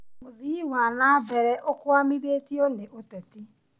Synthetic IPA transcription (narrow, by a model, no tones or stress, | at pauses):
moziwaːnabɛɾɛʔokʊamiɾetioneʔotɛtɪ